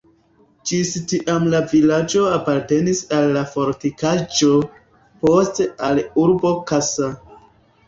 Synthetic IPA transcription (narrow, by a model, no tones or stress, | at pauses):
d͡ʒistiʔamlavilad͡ʒo̞apaɾte̞nisalːafo̞ɾtikad͡ʒo̞ | po̞stealuɾbo̞kasa